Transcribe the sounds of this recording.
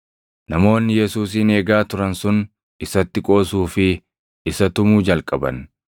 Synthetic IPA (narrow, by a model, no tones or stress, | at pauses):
nɐmo̞ːnːɪjɛsuːs̬ine̞ːɡaːt̪ʊɾɐnsʊn | ɪsɐt̪ːɪkʼo̞ːsuːfɪ | ɪsɐt̪ʊmuːd͡ʒɐlkʼɐbɐ̰n